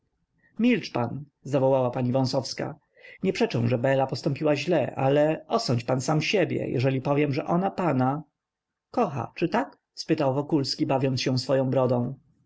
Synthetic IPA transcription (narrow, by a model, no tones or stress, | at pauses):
mʲilt͡ʂpan | zavɔwawapaɲivɔ̃w̃sɔfska̰ | ɲɛpʂɛt͡ʂɛ̃w̃ʐɛbɛlapɔst̪ɔ̃mpʲiwaʑlɛʔa̰lɛɔsɔɲt͡ɕpansamɕɛbʲjɛ̰jʔɛ̰ʐɛlʲipɔvʲjɛmʐɛʔɔnapana | kɔxa̰t͡ʂɘt̪ak | spɘt̪awvɔkulskʲibavʲjɔnt̪sɕɛ̃sfɔjɔ̃w̃bɾɔd̪ɔ̃w̃